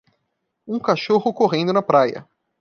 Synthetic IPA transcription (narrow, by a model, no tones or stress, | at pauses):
ũkaʃoɦʊkoɦẽnd̪ʊnɐpɾajɐ̰